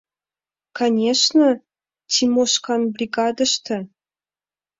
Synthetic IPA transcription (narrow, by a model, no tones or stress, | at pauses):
kanʲeʂnə | tʲʰimoʂkɑnbrʲiɡɑd̪ə̆ʂt̪ʰə